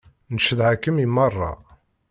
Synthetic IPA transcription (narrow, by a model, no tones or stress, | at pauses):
nəʃəðʕakːəmimːɑrˤːɑ̰